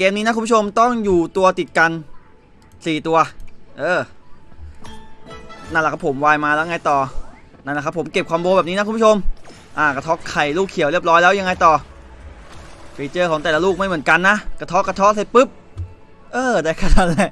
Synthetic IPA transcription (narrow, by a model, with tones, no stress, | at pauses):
keː˧mniː˦˥na˦˥ku˧mːʰ˦˥˩o˧mt̪ɔ˥˩ŋjuː˨˩t̪u˧ɐt̪i˨˩t̪̚ka˧n | siː˨˩t̪u˧ɐʔɤː˧˩ | na˥˩nlɛ˨˩kʰa˦˥pʰːo˩˦mwaː˧jmaː˧lɛː˦˥˧ŋa˧jt̪ɔː˨˩ | na˥˩lkʰa˦˥pʰːo˩˦mke˨˩p̚kʰwaː˧mbwoː˧bɛː˨˩p̚niː˦˥a˦˥ku˧˦˥t͡ɕʰo˧m | ʔaː˧˩ka˧˩t̪ʰɔ˦˥kʰːa˨˩jluː˥˩kʰi˨˩˦wɾi˥˩əp̚lɔː˦˥jlɛː˦˥wja˧ŋa˧jt̪ɔː˨˩ | fiː˧˩t͡ɕɤː˧˩kʰɔː˩˦ŋt̪ɛː˨˩la˧luː˥˩k̚ma˥˩jmɯ˩˦ənka˧nːa˦˥ʔka˧˩t̪ʰɔ˦˥kːa˧˩t̪ʰɔ˦˥k̚sa˨˩jpɯ˦˥p̚ | ʔɤː˧˩daː˧˩jkʰa˧˥˩a˧˩t̚lɛ˧˩ʔ